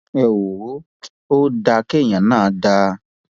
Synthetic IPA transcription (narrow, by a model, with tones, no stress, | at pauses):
ɛ˨wo˨˦ | o˦da˧ke˦˨j̃ã˨˦nãː˦˨˦da˧